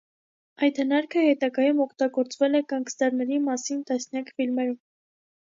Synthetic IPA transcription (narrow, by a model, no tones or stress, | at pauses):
ɑjt̪hənɑɾkʰəhɛt̪ɑɡɑjumɔkʰt̪ɑɡɔɾt͡svɛlɛkɑŋɡsd̪ɑɾnɛɾimɑsint̪ɑsnjɑkʰfilmɛɾum